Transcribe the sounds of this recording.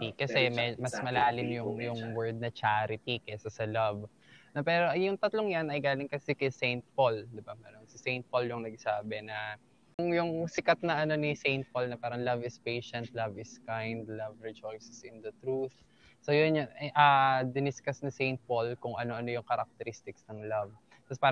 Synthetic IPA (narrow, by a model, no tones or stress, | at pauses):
ikɐsɛmɛmɐsmɐlaːlɪmjʊŋjʊŋwɛɹd̪̚nɐt͡ʃaːɾɪt̪ikɐɛsɐsɐlɐv | nɐpɛːɾo̞jʊŋt̪ɐt̪loŋjɐnɐjɡaːlɪŋkɐsɛkɐsejnt̪̚pold̪ɪbamɐnoŋsɪsejnt̪̚poljʊŋnɐɡ̚saːbɛnɐ | ʊŋjʊŋsɪkat̪̚nɐʔɐno̞nisejnt̪̚polnɐpaːɾɐŋlɐvɪspejʃɛnt̪̚lɐvɪskajnd̪lɐvɹɪd͡ʒojsɪsɪnd̪ɐt̪ɾuθ | sojʊnanʔɐd̪ɪnɪskɐsnɐsejnt̪̚polkʊŋʔɐno̞ʔɐnjʊŋkɐɾɐk̚t̪ɛɾist̪ɪksnɐŋlɐv | t̪ɐspaːɾ